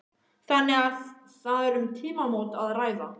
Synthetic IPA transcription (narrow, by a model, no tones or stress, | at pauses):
θanːɪɣað | θaðɛɾʏmt̪ʰiːmamowt̪aðraːjða